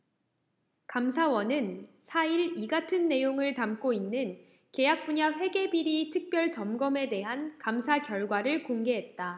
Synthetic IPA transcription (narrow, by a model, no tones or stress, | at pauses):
kamsʰawʌnɯnsʰaiɾiɡatʰɯnːe̞joŋɯɭtamk͈oinːɯn | ke̞jak̚p͈uɲaɸwe̞ɡe̞biɾitʰɯk̚p͈jʌɭt͡ɕʌmɡʌme̞te̞ɦankamsʰakjʌɭɡwaɾɯɭkoŋɡe̞ɦe̞t̚t͈a